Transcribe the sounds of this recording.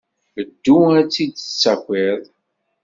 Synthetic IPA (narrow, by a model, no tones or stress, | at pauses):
əd̪ːuæt͡sːid̪ət͡sːækʷːiðˤ